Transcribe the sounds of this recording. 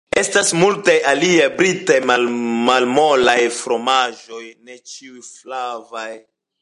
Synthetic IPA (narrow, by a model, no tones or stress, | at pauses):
e̞stasmultajaliajbɾitajmalmalmo̞lajfɾo̞maʒo̞jnet͡ʃiujflavaj